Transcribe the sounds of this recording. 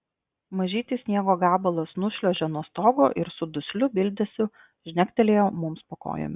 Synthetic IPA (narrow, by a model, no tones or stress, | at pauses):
mɐʒʲiːt̪ʲisʲnʲiɛɡoːɡɑːbɐlˠoːsnʊʃʲlʲoːʒʲɛnuɔst̪oːɡo̰ːʔɪɾsʊd̪ʊsʲlʲʊbʲɪlʲd̪ʲɛsʲʊ | ʒʲnʲɛkʲt̪ʲɛlʲeːjoːmʊmspɐko̰ːjo̰mʲɪ